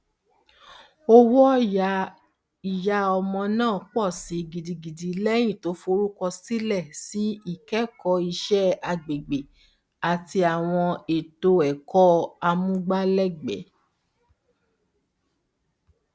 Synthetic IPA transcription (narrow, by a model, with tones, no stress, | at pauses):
o˦wɔ˦˨ja˧ | i˨ja˧ɔ˧mɔ̃˧nãː˦˨k͡pɔ˦˨si˨˦ɡi˨di˧ɡi˨di˨˦lɛ˦j̃ĩ˦˨to˨˦fo˧ɾu˦kɔ˧si˦lɛ˦˨si˨˦i˦˨kɛ˦kɔ˧i˧ʃɛ˦a˧ɡ͡be˨ɡ͡be˨ | a˨ti˧a˨w̃ɔ̃˧e˨to˧ɛ˨kɔ˦a˧mũ˦ɡ͡ba˦lɛ˦ɡ͡bɛ̰˨˦